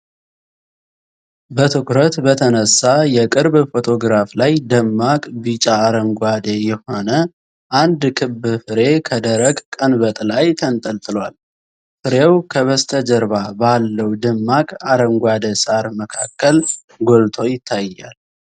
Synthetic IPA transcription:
bət̪ʰɨkɾət̪bət̪ʰənəsːajɛkʼɨɾbfo̞t̪ʰo̞ɡɾaflajd̪əmːakʼbit͡ʃʼaːɾəŋɡʷad̪ejɛho̞nə | ʔand̪kʰɨbɨfɨɾe̞kʰəd̪əɾəɡkʼːənbət̪ʼlajt̪ʰənt̪ʼəlt̪ʼɨlwal | fɨɾewkʰəβəst̪ʰəd͡ʒəɾbabalːəwd̪əmːakʼaɾəŋɡʷad̪əsʼaɾməkʰakːəl | ɡo̞lt̪ʰo̞jɪt̪ʰːajːa̰l

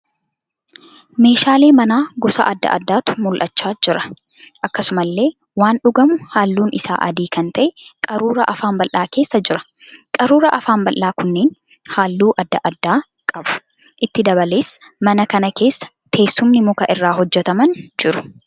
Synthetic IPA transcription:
me̞ːʃaːle̞ːmɐnaːɡɔsɐ̰ʔɐd̪ːɐ̰ʔɐ̰d̪ːaːt̪ʊ̥mʊlʔɐt͡ʃːaːd͡ʒɪɾɐ | ʔɐkːɐsʊmɐlːe̞ː | waːnɗʊɡɐmʊhaːlːuːnɪsa̰ːʔɐ̰d̪iːkɐnt̪ɐʔɛkʼɐɾuːɾɐʔɐfaːmbɐlʔːaːke̞ːsːɐd͡ʒɪɾɐ̥ | kʼɐɾuːɾɐʔɐfaːmbɐlʔːaːkʊnːeːn | haːlːuːʔɐd̪ːɐʔɐd̪ːaː | kʼɐbʊ̥ | ʔɪt̪ːɪd̪ɐbɐleːsː | mɐnɐkɐnɐke̞ːsːɐ̥ | t̪ʰe̞ːsːʊmnɪmʊkɐʔɪrːaːɦɔd͡ʒːɛt̪ɐmɐnd͡ʒɪɾʊ̥

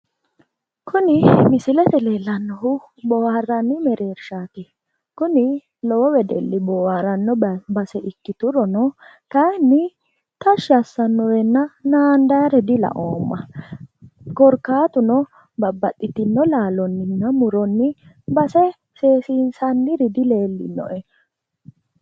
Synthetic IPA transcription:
kʰʊnɪmɪsɪlɛt̪ɛleːlːɐnːɔɦʊ | bɔwarːɐnːɪmɛɾe̞ːɾʃaːt̪ɪ | kʊnɪ | lɔwɔwɛd̪ɛ̰lːɪbɔwɐɾɐnːɔbɐsɛʔɪkːɪt̪ʊɾɔnɔ | kɐnːɪ | t̪ɐʃɐsːɐnːɔɾɛnːɐnaːnd̪ɐjɾɛd̪ɪlɐ̰ʔoːmːɐ̰ | kɔɾkːaːt̪ʊnɔ | bɐbːɐtʼːɪt̪ɪnːɔlaːlɔnːɪnːɐmʊɾɔnːɪ | bɐsɛ | seːsiːnsɐnːɪɾɪd̪ɪle̞ːlːɪ̰nːɔ̰ʔɛ

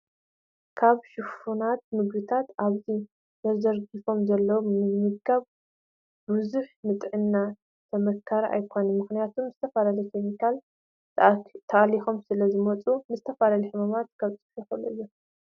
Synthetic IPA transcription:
kʰaβʃɨfunat̪̚mɨɡbɨt̪ʰat̪aβzi | zɐzɐɾɡifo̞mzɐlːɐwmɨɡɡaβ | buzuħnɨt̪ʼʕɨnːa | t̪ʰɐmɐkʰːaɾiʔa̰jkʰo̞nɐnmɨxnijat̪ʰumzɨt̪ʰɐfalalɐjkʰemikʰal | t̪ʰɐʔʼlixo̞msɨlɐzɨmɐt͡sʼumɨzɨt̪ʰɐfalaliħɨmamat̪̚kʰaβt͡sʼɨħjɛxɐlɐ̰jo

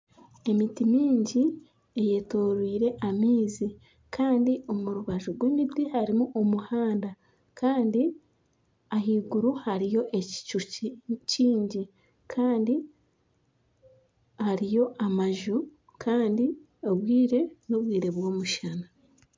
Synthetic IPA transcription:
e̞mitimiːɲɟi | e̞je̞to̞ːɾwiːɾe̞ʔamiːzi | kʰaːndiʔo̞muɾuβaʒoɡwemibdihaɾimuʔomuhaːnda | kʰaːndi | aɦiːɡuɾuhaɾijo̞ʔe̞ci̥t͡ʃuciːɲɟi | kʰaːndi | haɾijo̞ʔamaʒu | kʰaːndi | oβwiːɾe̞noβwiːɾe̞βwo̞ːmuʃana

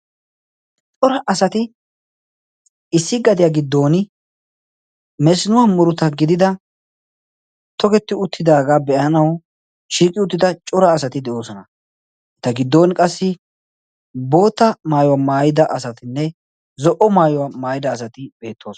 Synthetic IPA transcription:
t͡ʃʼɔɾɐʔɐsɐt̪ɪ | ɪsːɪɡɐd̪ɪjaːɡɪd̪ːo̞ːnɪ | mɛsɪnʊwamʊɾʊt̪ɐɡɪd̪ɪd̪ɐ | t̪ʰɔɡɛt̪ːɪʊt̪ːɪd̪aːɡaːbɛʔɐnɐw | ʃiːkʼɪʊt̪ːɪd̪ɐt͡ʃʼɔɾɐːsɐt̪ɪd̪ɛʔo̞ːsɔnɐ | ɛt̪ːɐɡɪd̪ːo̞ːnkʼɐsːɪ | bo̞ːt̪ːɐmaːjɔwamaːjɪd̪ɐʔɐsɐt̪ɪnːɛ | zɔʔɔmaːjɔwamaːjɪd̪ɐːsɐt̪ɪbe̞ːt̪ʰːo̞ːsɔ

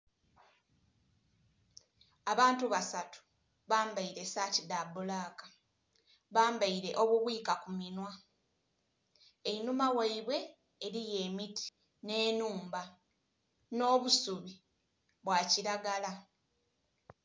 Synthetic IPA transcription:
aβaːntuβasatu̥ | βaːmbaiɾe̞saːcidabːolaːkḁ | βaːmbaiɾe̞ʔo̞βuβwiːkakuminwa | einumawaiβwe̞ː | ɾije̞ːmitʰi̥ | ne̞ːnuːmba | no̞ːβusuβi | βwaːciɾaɡala

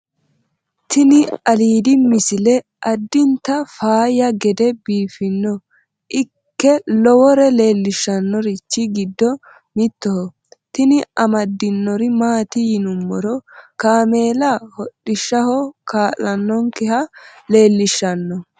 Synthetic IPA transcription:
t̪ɪnɪɐliːd̪ɪmɪsɪlɛ | ʔɐd̪ːɪnt̪ɐfaːjɐɡɛd̪ɛbiːfɪnːɔ | ʔɪ | kːɛlɔwɔɾɛle̞ːlːɪʃːɐnːɔɾɪt͡ʃːɪɡɪd̪ːɔ | mɪt̪ːɔhɔ | t̪ɪnɪɐmɐd̪ːɪnːɔɾɪmaːt̪ɪjɪnʊmːɔɾɔkaːme̞ːlahɔɗɪʃːɐhɔkaːʔɐnːɔŋkɛhɐle̞ːlːɪʃːɐnːɔ

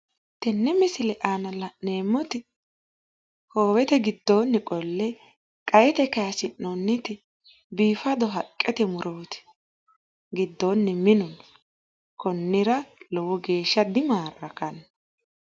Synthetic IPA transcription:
t̪ɛnːɛmɪsɪlɛʔanɐlɐneːmːɔt̪ɪ | hoːwɛt̪ɛɡɪd̪ːoːnːɪkʼɔlːɛ | kʼɐjɛt̪ɛkɐjɐsɪnːɔnːɪt̪ɪ | biːfɐd̪ɔɦɐkʼːɛt̪ɛmʊɾʔoːt̪ɪ̥ | ɡɪd̪ːoːnːɛmɪnɔn | kɔnːɪɾɐlɔwɔɡe̞ːʃːɐd̪ɪmaːɾɐkɐnɐ

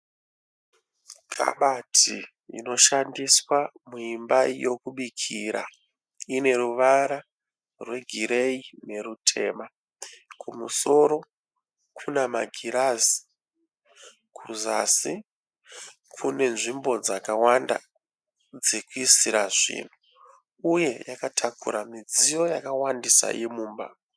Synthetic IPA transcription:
kʰa̰ɓatʰi | ḭno̞ʃandiswamuimbajo̞kuɓikʰiɾa̰ | ine̞ɾuʋaɾa | rwe̞ɡʱiɾe̞ine̞ɾutʰe̞̰ːma | kʰumuso̞ɾo̞ | kʰunama̰ɡʱiɾazi̥ | kʰuzasi | kʰune̞nʐimbo̞d͡zakawanda̰ | d͡zekuisiɾaʐḭːn̤u | uje̞jakatʰakṵɾamid͡zijo̞jakawandisa̰jemuːmba

